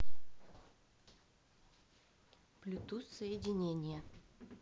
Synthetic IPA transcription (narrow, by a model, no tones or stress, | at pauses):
plʲʊt̪usəjɪdʲɪnʲenʲɪjə